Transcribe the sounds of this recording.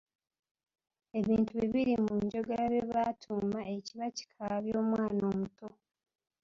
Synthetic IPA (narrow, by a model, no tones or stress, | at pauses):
e̞βiːntuβiβiɾimuɲɟo̞ɡeɾaβeβatʰuːmaeciβaci̥kʰaβjo̞ːmwaːnoːmutʰo̞